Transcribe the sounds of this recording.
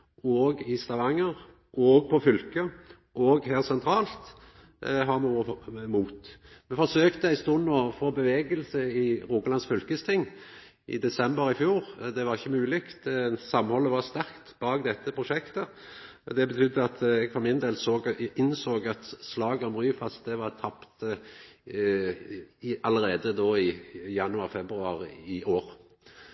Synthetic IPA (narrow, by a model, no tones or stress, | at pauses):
oɡɪst̪ɑʋɑŋːəɾ | ʔɔːɡ̚pʰɔfʏlkə | ʔɔɡhæːʁsɛnt̪ʰɾɑːlt̪ | ɦɑmumuːt̪mɛfɔʂøːkt̪əæɪst̪uːnoːfoːbəʋeːɡəlsəɪɾuːɡəlɑnsfʏlkəst̪ʰɪŋː | ʔɪ̰d̪ɛsɛmbəɾɪfjuːɾd̪ɛʋɑʁɪçːəmʉːlɪkt̪sɑmhɔlːəʋɑɾst̪æɾkt̪bɑːɡd̪ɛt̪ːəpʰɾʊʂɛkt̪əd̪ɛbət̪ʰʏd̪ːəɑt̪ɛɡfɔɾmɪnd̪eːlsoːɡɪnsoːɡɑt̪slɑːɡəɔmʁyːfɑst̪̚d̪ɛʋɑɾt̪ʰɑpt̪ | ɑləɾeːd̪əd̪oːɪjɑnʊɑʁfɛbɾʉɑɾɪʔoːɾ